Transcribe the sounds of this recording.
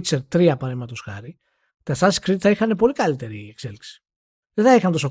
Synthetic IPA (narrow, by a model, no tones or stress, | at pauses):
seɾt̪ɾiɐpɐɾemɐt̪osxɐɾi | t̪ɐsɐsi̥kɾit̪θɐixɐne̞po̞likɐlit̪e̞ɾiekse̞liksi̥ | ðeθɐixɐnt̪oso